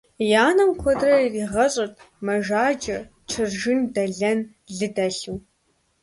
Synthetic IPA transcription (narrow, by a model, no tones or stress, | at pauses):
jaːnɐmkʷʰɔdrɐiriːʁɐɕʼɪrtʰʼ | mɐʒaːd͡ʒʼɐ | ʈ͡ʂʰɨrʒɪndɐɮɐn | ɮɨdɐɬuw